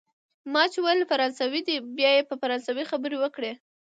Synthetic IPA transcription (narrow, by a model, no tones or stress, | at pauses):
mɑt͡ʃewajlfaɾɑnsawid̪ibjɑjepəfaɾɑnsawixabəɾewəkɽe